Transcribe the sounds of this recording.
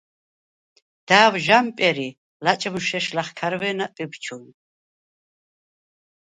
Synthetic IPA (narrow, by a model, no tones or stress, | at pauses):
d̪̥aːwʒampʼɛɾi | lat͡ʃʼmʃɛʃlaχkʰaɾvɛːnapʼibt͡ʃʰun